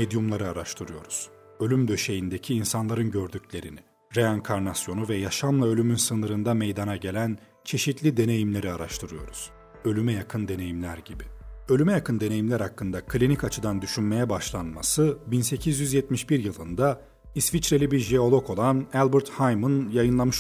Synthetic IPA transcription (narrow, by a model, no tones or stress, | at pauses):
me̞d̪jumlˠaɾɯaɾaʃt̪ʰɯɾɯjo̞ɾuz̥ | ø̞lʲymd̪ø̞ʃe̞jind̪e̞cʰiːnsanlˠaɾɯnɟø̞ɾd̪ycʰlʲe̞ɾini | ɾeaŋkʰaɾnasjo̞nuvɛjaʃamlˠaølʲymynsɯnɯɾɯnd̪ame̞jd̪anaɟe̞lʲæn | t͡ʃʰe̞ʃit̪lʲid̪e̞ne̞jimlʲe̞ɾiaɾa̰ʃt̪ʰɯɾɯjo̞̰ɾuz̥ | ø̞lʲymɛjakʰɯnd̪e̞ne̞jimlʲæɾɟibiø̞lʲymɛjakʰɯnd̪e̞ne̞jimlʲæɾhakːɯnd̪akʰlʲinicat͡ʃʰɯd̪and̪yʃynme̞jɛbaʃlˠanma̰sɯbinse̞cʰizjyzjɛt̪miʃbiɾjɯlˠɯnd̪a | isvit͡ʃɾelʲibiɾʒeo̞lˠo̞kʰo̞lˠanælʲˠbiɾt̪hajmɯnjajɯnlˠamɯʃ